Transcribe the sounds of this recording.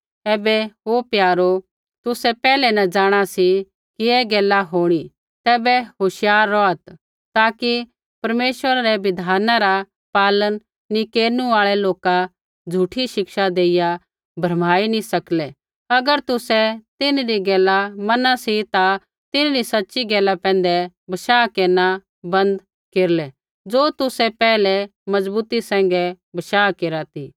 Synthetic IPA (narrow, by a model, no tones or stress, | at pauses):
ɛːbɛɦopjaːɾo | t̪ʊsɛpɛːlɛnɐd͡ʒaːɽ̃asi | kiɛɡɛːlaɦoːɽ̃i | t̪ɛːbɛɦoʃjaːɾːɔɐt̪ | t̪aːki | pɐɾmeːʃʋəɾaɾɛʋɪd̪ʱaːnãɾa | paːlənː | ikeːɾnũaːɭɛloːka | d͡zʱuːʈʰiʃɪkʃad̪eːɪja | bʱɐɾmaːinĩsɐklɛ | ɐɡəɾt̪ʊsɛt̪ɪnɾiɡɛːlamɐnasit̪a | t̪ɪnɾisɐtːʃiɡɛːlapɛ̃ːnd̪ɛ | bɐʃaːkeːɾna | bɐ̃nd̪ | keːɾlɛ | d͡zoːt̪ʊsɛpɛːlɛmɐd͡zbuːt̪isɛ̃ːŋɡɛ | bɐʃaːkeːɾat̪iː